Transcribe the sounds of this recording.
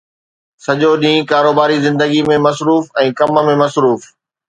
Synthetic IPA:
sɐʄoɗĩːkaːɾoːbaːɾizɪ̃nd̪əɡimẽmɐsɾuːfɛ̃ːkɐmə̆mẽmɐsɾuːf

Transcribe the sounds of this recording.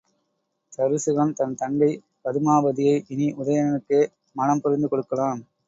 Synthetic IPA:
t̪ɐɾɯsɯɣɐnt̪ɐnt̪ɐŋɡɐɪ | pɐðɯmaːbɐðɪjɐɪʔɪniʔʊðɐjɐnɐnɯkːeː | mɐnɐmpʊɾɪnd̪ɯkɔɽɯkːɐɭaːn

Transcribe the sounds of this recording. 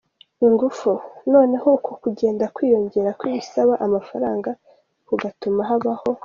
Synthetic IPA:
iŋɡufuno̞ːne̞hukʰokuɟe̞ːndakwiːjo̞ɲɟe̞ɾakwiːβisaβaʔamafaɾaːŋɡa | kuɡatumaɦaβaho̞

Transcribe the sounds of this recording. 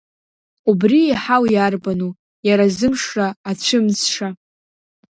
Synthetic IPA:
ubriiħawjarbanu | jaɾazɨmʂraːt͡ɕʷʰɨmzʂa

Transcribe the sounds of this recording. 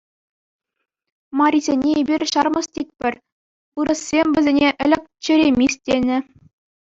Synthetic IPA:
mɑɾʲizʲenʲeebʲirʲɕɑrmɤ̆stʲit̚ʲpʲɘ̆rʲ | pɯɾɤ̆sːʲemʲʋʲɘ̆zʲenʲeʔɘ̆lʲɘ̆k̚ʲt͡ɕɘ̆ɾʲemʲisʲtʲenʲɘ̆

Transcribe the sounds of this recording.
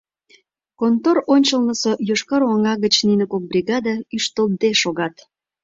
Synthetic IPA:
kont̪oɾonʲt͡ɕəlnəsojoʃkɑɾɑŋɑɣət͡ɕninəkok̚brʲiɣɑd̪ɑyʃt̪əld̪eʃoɣɑt̪

